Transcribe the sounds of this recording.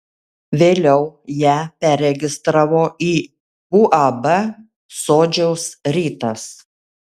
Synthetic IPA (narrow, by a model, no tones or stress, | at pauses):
ʋʲeːlʲɛʊjæːpʲæɾʲɛɡʲɪst̪ɾɑːʋoːʔiː | uʔɐbɐ | soːd͡ʒʲɛʊsɾʲiːt̪ɐs